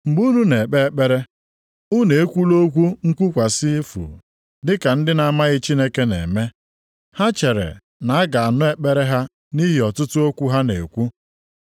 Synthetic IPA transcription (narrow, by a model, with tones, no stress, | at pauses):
ŋ͡m̩˨ɡ͡bu˦nu˦ne˨k͡pe˦e˦k͡pe˦ɾe˦ | u˦ne˨e˦kʷu˦lo˦kʷu˦ŋ̩˦kʷu˦kʷa˨sɪ˦e˦fṵ˨ | dɪ˦ka˨n̩˦dɪ˦na˨˦ma˦ɣɪ˦t͡ʃi˦ne˦ke˦nḛ˨me˦ | ha˦t͡ʃe˨ɾḛ˨ | na˨a˦ɡa˨a˨nʊ˦e˦k͡pe˦ɾe˦ɦa˦ | ni˦ɦi˨ɔ˨tʊ˦tʊ˦o˦kʷu˦ɦa˦ne˨kʷu˦